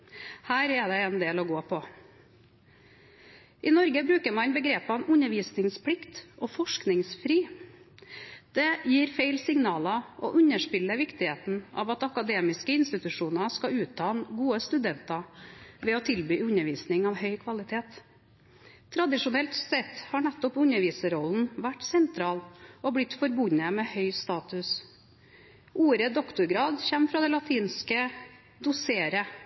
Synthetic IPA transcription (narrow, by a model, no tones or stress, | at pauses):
hæːɾɛd̪ɛɛnd̪eːlɔɡoːpʰɔ | ʔɪnɔɾɡəbɾʉːkəɾmɑnbəɡɾeːpɑnʉɲəɾʋiːsnɪŋspʰɽɪkt̪ʔɔːfɔʂknɪŋsfɾiː | d̪̥ɛjiːɾfeɪlsɪŋnɑːlɑɔ̰ʔʉɲəʂpɪlːəʋɪkt̪ɪheːt̪n̩ʔɑ̰ːʋɑt̪ɑkɑd̪eːmɪskəɪnst̪ɪt̪ʉʂuːnɑskɑʉːt̪ʰːɑːnɡuːəst̪ʉd̪ɛnt̪ɑʋɛɔt̪ʰɪlbyːʉɲəɾʋiːsnɪŋɑʋhœʏkʰʋɑlɪt̪ʰeːt̪ | ɾɑd̪ɪʂʊnɛlt̪sɛt̪ːhɑɳɛt̪ːɔpʉnəɾʋiːsəɾɔln̩ʋæʈːsɛnt̪ʰɾɑːlɔblɪt̪fɔɾbʊɲəmɛːhœʏst̪ɑːt̪ʉs | ʔuːɾəd̪ɔkt̪ʊɾɡɾɑːd̪çɛmfɾɑːd̪ɛlɑt̪ʰiːnskə | d̪ʊseːɾə